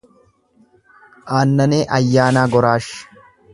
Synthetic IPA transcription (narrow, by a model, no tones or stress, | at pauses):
ʔaːnːɐneːʔɐjːaːnaːɡɔɾaːʃ